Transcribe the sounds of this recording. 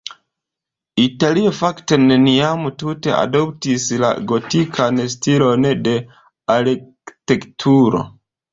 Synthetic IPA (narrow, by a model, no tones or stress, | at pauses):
italiofakte̞neniamutute̞a̰do̞ptisla̰ɡo̞tikʰanstilo̞nde̞ | aɾi | tektʰuɾo̰